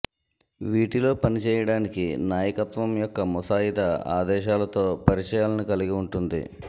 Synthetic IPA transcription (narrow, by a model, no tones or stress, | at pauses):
ʋiːʈilo̞ːpɐnit͡ʃɛːjɐɽaːnikinaːjɐkɐt̪ʋɐmjɔkːɐmɔsaːit̪ɐa̰ːd̪ɛːʃaːlɐt̪o̞ːpɐɾit͡ʃɐjaːlɐnikɐliɡiuɳʈund̪ḭ